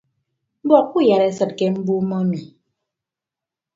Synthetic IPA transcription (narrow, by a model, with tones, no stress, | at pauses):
bɔ˦˨k̚ku˦˨ja˨ɾɛ˨sɨ˨t̚kɛ˦m̩˦bu˦mɔ˦nu˨